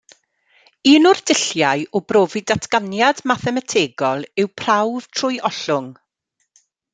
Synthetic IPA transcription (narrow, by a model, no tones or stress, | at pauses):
iːnʊrdɪɬjajɔbroːvɪdatʰɡ̥anjadmaθɛmatʰeːɡɔlˠɪwpʰrawv̥tʰrʊjʔɔɬʊŋ